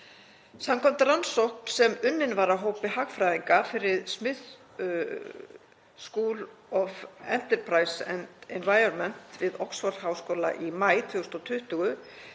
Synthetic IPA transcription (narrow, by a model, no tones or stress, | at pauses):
samkʰɔm̥t̪aɾansowhk̚n̥sɛmʏnːɪnvaɾaɦoːwpɪɦaːɣfɾajðiŋkafɪɾɪðsmɪð | skuːlɔfɛn̥t̪ɛɾ̥pʰɾaːjsɛ̰nd̪ɛnvaːjɔnmɛn̥t̪vɪðɔwksfɔɾhaːwskoːla̰ʔimaːjt̪ʰvʏːɣʏst̪ɔt̪ʰʏht̪ʏɣʏ